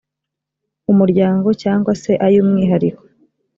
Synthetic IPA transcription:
umuɾɟaːŋɡo̞caːŋɡwase̞ʔajuːmŋiːɦaɾiko

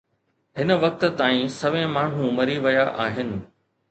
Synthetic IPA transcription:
ɦɪnə̆ʋɐk̚t̪̆t̪aːĩsɐʋẽmaːɳ̤ũmɐɾiʋɐjaʔaːɦɪnɪ̆

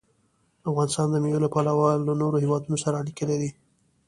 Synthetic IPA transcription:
afɣɑnɪst̪ɑnd̪əmewəlapalawɑlːanoɾohewɑd̪unosaɾalikəled̪i

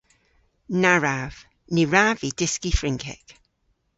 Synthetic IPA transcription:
naɹav̥ | niɹavid̥ɪskifɹɪŋkʰɪ̰k

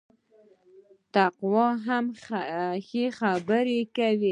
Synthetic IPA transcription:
t̪aqwɑɦam | xexabəɾekawi

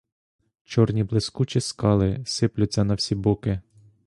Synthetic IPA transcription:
t͡ʃɔrnʲiblˠɪskut͡ʃiskɑlˠɪsɪplʲʊtʲt͡sʲɛnɐwsʲibukɪ

